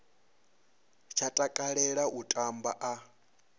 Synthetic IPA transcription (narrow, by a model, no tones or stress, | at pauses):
t͡ʃʰatʼakʼaɺɛɺaʔutʼambaʔa